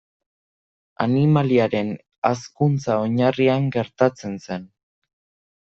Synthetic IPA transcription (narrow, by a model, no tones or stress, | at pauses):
a̰nimaliaɾe̞n | askunt͡sao̞ɲariaŋɡe̞ɾt̪at͡se̞nse̞n